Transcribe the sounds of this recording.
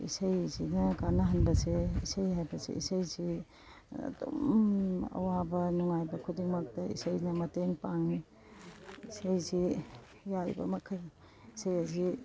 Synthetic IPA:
ḭsɐjzinɐkanɐɦɐnbɐseisɐjɦajbɐsḛʔḭsɐjzi | ɐ̰do̰mɐ̰wabɐnuŋajbɐkʰudiŋmɐk̚tɐḭsɐjnɐmɐteŋpaŋni | isɐjzi | jajbɐ̰mɐkʰɐj | isɐjɐzi

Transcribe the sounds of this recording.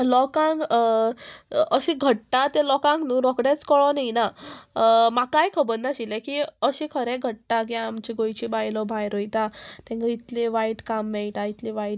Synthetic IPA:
lɔkãŋɡ | əɕĩɡʱəʈʈat̪ẽlɔkãŋɡnũːɾɔkɽɛt͡skɔɭɔnijna | makajkʰəbəɾnaɕilekiəɕĩkʰəɾɛ̃ɡʱəʈ̚ʈakiamt͡ɕiɡojt͡ɕibajlɔbʱajɾojt̪at̪ɛ̃ŋɡait̪leʋaiʈkamːeɭʈ̪ait̪liʋaiʈ

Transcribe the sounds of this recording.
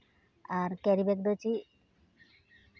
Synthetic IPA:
aɾkɛɾibekd̪ot͡ɕi

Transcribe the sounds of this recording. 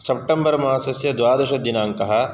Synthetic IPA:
sɐp̚ʈembɐɾmɐasɐsjɐd̪ʋaːd̪ɐʃɐd̪inaːŋkɐɦɐ̆

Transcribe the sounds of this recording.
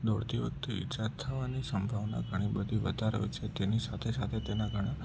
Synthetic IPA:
d̪oɽt̪iʋək̚t̪uḭt͡ʃat̪ʰːəʋanisəmbʱaʋna̰ɡʱəɽ̃ibəd̪ʱiʋəd̪ʱaɾə̰jt͡ʃʰet̪enisat̪ʰesat̪ʰet̪enaɡʱəɽ̃a

